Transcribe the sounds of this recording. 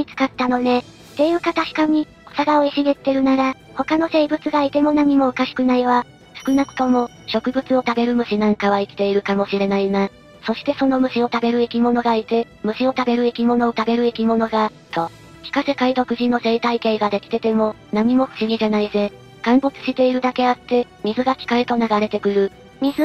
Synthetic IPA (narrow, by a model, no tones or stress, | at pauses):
it͡sɨ̥kat̪ːano̞ne̞ | t̪ːe̞iɯ̟ːkat̪aɕi̥kaɲ̟i | osaɡaoiɕiɡe̞t̪ːe̞ɾɯ̟naɾa | ho̞kano̞se̞ːibɯ̟t͡sɨɡaːit̪e̞mo̞naɲ̟imo̞ːkaɕi̥kɯ̟naiβa | sɨ̥kɯ̟nakɯ̟̥t̪o̞mo̞ | ɕo̞kɯ̟bɯ̟t͡sɨo̞t̪abe̞ɾɯ̟mɯ̟ɕinãŋkaβ̞aikʲi̥t̪e̞iɾɯ̟kamo̞ɕiɾe̞naina | so̞ɕi̥t̪e̞so̞no̞mɯ̟ɕio̞t̪abe̞ɾɯ̟ikʲimo̞no̞ɡait̪e̞ | mɯ̟ɕio̞t̪abe̞ɾɯ̟ikʲimo̞no̞ːt̪abe̞ɾɯ̟ikʲimo̞no̞ɡa | t̪ʰo̞ | kʲi̥kase̞kait̪o̞kɯ̟ʑĩnːo̞se̞ːt̪aike̞ːɡad̪e̞kʲi̥t̪e̞t̪e̞mo̞naɲ̟imo̞ɸɯ̟̥ɕiɡʲiʑanaize̞ | ɡ̥ãmbo̞t͡sɨ̥ɕi̥t̪e̞iɾɯ̟d̪ake̞at̪ːe̞ | mʲizɨɡakʲi̥kaet̪o̞naɡaɾe̞t̪e̞kɯ̟ɾɯ̟ | mʲizɨ